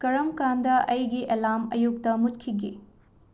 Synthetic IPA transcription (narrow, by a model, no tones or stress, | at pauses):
kɐɾɐmkandɐʔɐjɡiʔelamɐ̰juk̚tɐmut̚kʰiɡḭ